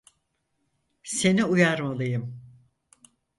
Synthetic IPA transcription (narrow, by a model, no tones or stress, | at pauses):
se̞niujaɾmalˠɯjɯm